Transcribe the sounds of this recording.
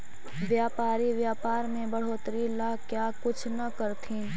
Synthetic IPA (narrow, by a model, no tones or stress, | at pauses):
ʋjaːpaːɾiʋjaːpaːɾmẽbɐɽ̤oːt̪ɾilaːkjaːkʊt͡ʃʰnɐkəɾt̪ʰĩ